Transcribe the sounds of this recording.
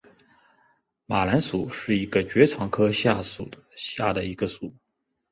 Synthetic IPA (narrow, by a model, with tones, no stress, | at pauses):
ma˨˩la˧˥nsu˨˩˦ʂɻ̩˥˩i˧˥ɡə˧t͡ɕɥɛ˧˥t͡sʰɑ˧˥ŋkʰɤ˥ɕja˥˩su˨˩əɕja˥˩d̪ə˩i˧˥ɡ̥ə˧su˨˩˦